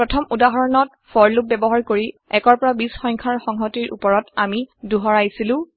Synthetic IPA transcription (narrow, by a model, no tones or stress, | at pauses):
ɹɔtʰɔmudaɦɔɹɔnɔt̚ | fʰɔɹlup̚bɛbɔɦaɹkoɹiɛkɔɹpɔɹabisxɔjŋkʰaɹxɔŋɦɔtiɹʔṵpɔɹɔtamiduɦɔɹajsilʊ̃